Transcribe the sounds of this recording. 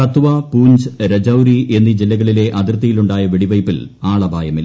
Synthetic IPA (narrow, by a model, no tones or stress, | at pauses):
ɐt̪uʋɐpuːɲd͡ʑɾɐd͡ʑɐwɾiʔe̞nːid͡ʑilːɐɣɐɭile̞ʔɐd̪irt̪ːɐjiluɳɖaːjɐʋiɽiʋɐjpːilaːɭɐbʱaːjɐmilː